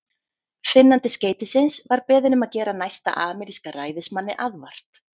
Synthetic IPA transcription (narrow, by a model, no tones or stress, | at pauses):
fɪnːant̪ɪsceːjt̪ɪsɪnsvaɾpɛːðɪnʏmaðcɛːɾanajst̪a̰ʔaːmɛɾiskaraːjðɪsmanːɪʔaðvar̥t̪